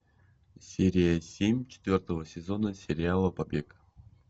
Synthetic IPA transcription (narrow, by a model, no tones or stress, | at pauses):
sʲeɾʲɪjəsʲemʲt͡ɕɪ̥t̪vʲo̞rt̪əvəsʲɪzo̞nəsʲɪɾʲɪalˠəpɐbʲek